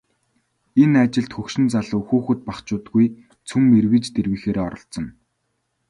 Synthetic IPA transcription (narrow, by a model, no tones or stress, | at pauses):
enat͡ɕɪ̆ɬt̪xɵkʃɪ̆nt͡saɮɵxoːxɵ̆t̪̚paχt͡ɕʊːt̪ɡuj | t͡sʰumːerwĭt͡ɕt̪erwiːxeːɾeːɔ̰ɾɞ̆ɬt͡sɞ̆n